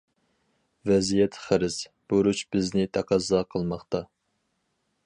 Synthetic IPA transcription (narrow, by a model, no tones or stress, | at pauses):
vɛzijɛt̪ʰχæɾɪsb̥oɾut͡ʃbɪznɪt̪ʰɛqʰɑzɑqʰəlˠmɑχt̪ɑ